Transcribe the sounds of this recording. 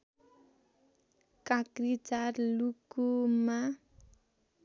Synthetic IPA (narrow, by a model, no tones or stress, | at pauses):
kãkrit͡sarlukuma